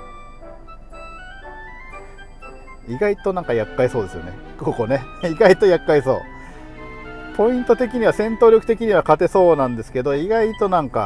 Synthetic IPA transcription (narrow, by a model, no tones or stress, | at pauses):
iɡait̪o̞nãŋkajakːaiso̞ːd̪e̞sɨjo̞ne̞̰ | koːko̞ne̞iɡait̪o̞jakːaiso̞̰ː | po̞ĩnt̪o̞t̪e̞kʲiɲ̟iβasẽ̞nt̪o̞ːɾʲo̞kɯ̟̥t̪e̞kʲiɲ̟iβakat̪e̞so̞ːnãnd̪e̞sɨ̥ke̞d̪o̞iɡait̪o̞nãŋka